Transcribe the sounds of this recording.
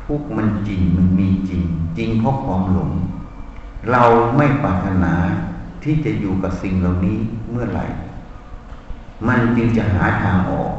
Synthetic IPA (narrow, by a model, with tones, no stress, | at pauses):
pʰuː˥˩k̚ma˧nt͡ɕi˧ŋma˧nmiː˧t͡ɕi˧ŋt͡ɕi˧ŋpʰɔ˦˥˨kʰwaː˧˥mlo˨˦m | ɾa˧wma˥˩jpaː˨˩t̪ʰːa˧naː˨˦t̪ʰiː˧˥˩t͡ɕa˧˩ʔjuː˨˩ka˨˧˩p̚si˨˩ŋla˨˩wniː˦˥mɯ˥˩ɐla̰˨˧˩j | ma˧nt͡ɕɯ˧ŋt͡ɕa˧˩ɦa̰ː˩˦t̪ʰaː˧ŋʔɔ̰ː˨˩k̚